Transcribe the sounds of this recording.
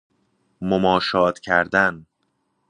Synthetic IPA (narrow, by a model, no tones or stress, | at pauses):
momɒːʃɒːt̪cʰæɾd̪æn